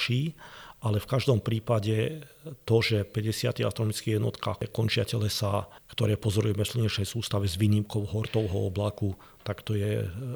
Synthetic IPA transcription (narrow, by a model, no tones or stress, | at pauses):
ʃiːʔalɛfkaʒd̪ɔmpɾiːpaɟɛt̪ɔʒɛpɛɟɛsɪa̰t̪ia̰st̪ɾɔnɔmit͡skijɛd̪nɔ̰t̪ka̰ːkɔnt͡ʃɪa̰cɛlɛsakt̪ɔɾɛːpɔzɔɾujɛmɛfsl̩ɲɛʃɛjsuːst̪aʋɛzʋiːɲimkɔʊɦɔɾt̪ɔʊɦɔɔblaku | t̪akt̪ɔjɛ̰